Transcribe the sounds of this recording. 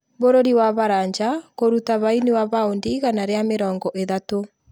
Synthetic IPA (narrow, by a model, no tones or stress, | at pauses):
βoɾoɾiwaβaɾaɲd͡ʒakoɾutaβainewaβaondiɣanaɾeameɾɔːŋɡɔʔeðato